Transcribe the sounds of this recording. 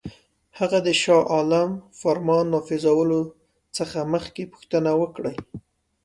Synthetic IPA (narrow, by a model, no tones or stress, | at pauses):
haɣad̪əʃɑʔɑlamfaɾmɑnːɑfɪzawəlo | t͡səxaməxkepʊ̥xt̪ənawəkɽəj